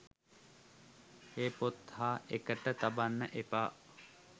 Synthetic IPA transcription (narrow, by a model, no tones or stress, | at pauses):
heːpot̪haːekəʈət̪abanːəʔepaː